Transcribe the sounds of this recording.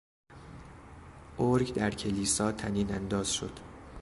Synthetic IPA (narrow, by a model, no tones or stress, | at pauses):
ʔoɾɡd̪æɾcʰe̞liːsɒːt̪ʰæniːnænd̪ɒːz̥ʃo̰d̪̥